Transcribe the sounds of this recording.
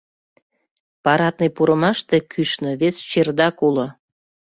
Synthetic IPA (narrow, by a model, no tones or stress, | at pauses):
pɑɾɑt̪̚nipuɾəmɑʃt̪e̽kʰyʃnə̆βest͡ɕerd̪ɑkulo